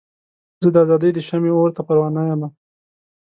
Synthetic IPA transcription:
zud̪əazɑd̪əjd̪əʃameoɾt̪apaɾwɑnajama

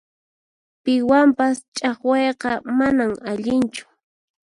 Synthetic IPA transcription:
pɪwampast͡ʃʼɑχwɑjqɑmanamaʎɪnt͡ʃʊ̥

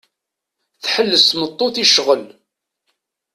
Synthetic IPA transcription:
θħəlːəsmət̪ˤːoθiʃʁəl

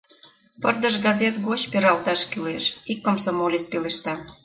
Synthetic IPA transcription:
pərd̪əʃɡɑzet̪ɡot͡ɕpeɾɑlt̪ɑʃkyleʃikːomsomolʲespeleʃt̪ɑ

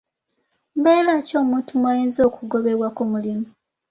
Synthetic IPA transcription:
mbeːlaco̞ːmuːntumwajeːnzo̞ːkʰuɡo̞βe̞βwakomulimu

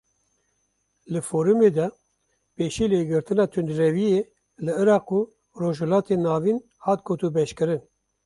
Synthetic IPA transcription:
lɨfoːɾumeːd̪ɛ | peːʃiːleːɡɨɾt̪ɨnɑːt̪ʰund̪ɾɛvijeː | lɨɨɾɑːquː | roːʒhɛlɑːt̪eːnɑːviːn | hɑːt̪̚ɡoːt̪ubɛʃkɨɾɨn

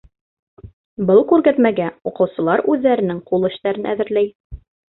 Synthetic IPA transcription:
bɤlˠkʉɾɡæt̪mæɡæuqɤ̆wsɤ̆lˠɑɾʉðːæɾɘ̆nɘŋqulˠɘ̆ʃt̪æɾɘnʔæ̰ðɘ̆ɾlæj

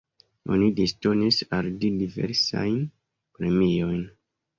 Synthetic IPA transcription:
o̰nidistonisaldidive̞̰ɾsa̰jn | pɾe̞mijo̞jn

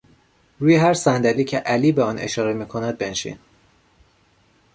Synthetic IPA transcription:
ɾuːjeɦæɾsænd̪æliːcʰeʔæliːbeɒːnʔḛʃɒːɾemiːkʰo̞næd̪̚be̞nʃḭn

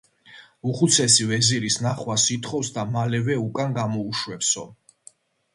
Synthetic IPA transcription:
uχut̪sʰɛsivɛziɾisnaχwasit̪ʰχɔfsd̪amalɛvɛukʼanɡamɔuʃwɛpsɔ̰

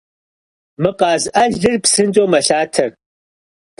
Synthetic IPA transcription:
mɨqɑːzʔɐɮɨrpsɨnt͡ʃʼoːmɐɬaːtʰɐr

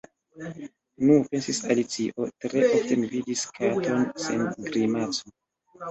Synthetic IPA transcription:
nupe̞nsisalit͡siʔo̞tɾe̞ʔofte̞mividiskʰato̞nsenɡɾimat͡so

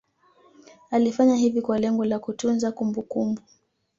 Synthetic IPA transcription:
alifaɲahivikwalɛŋɡɔlakutunzakumbukumbu

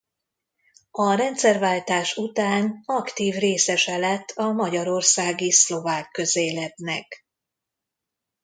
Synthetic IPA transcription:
ɒɾɛnt̪sɛrvaːlt̪aːʃut̪aːnɒkt̪iːvreːsɛʃɛlɛt̪ːɒmɒɟɒɾo̞rsaːɡislo̞vaːkːø̞zeːlɛt̪nɛ̰k

